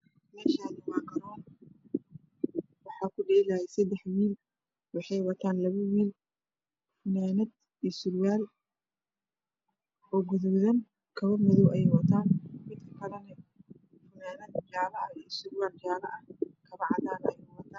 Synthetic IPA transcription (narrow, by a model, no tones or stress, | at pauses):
mɛːʃaːðɪwaːkʰɐɾɔːn | wɑħɑːkʰʊɖiɪlɐhɛjsɛd̪ɛħwiːl | wɑħɑjwɐt̪ʰaːnlɐβɐwiːl | fʊmɛːnɐd̪ | iːsʊɾwaːl | ɔːɡʊðʊwðɐn | kʰɐβɐmʊðɔwʔɛjwɐt̪ʰaːnmɪd̪kʰɐ̥kʰɐlɐnɛ | fʊmɛːnɐd̪d͡ʒaːβɐɐisʊɾwaːld͡ʒaːlɐ̰ʔɐkʰɐβɐʕɑðaːnɛjwɐt̪ʰaːn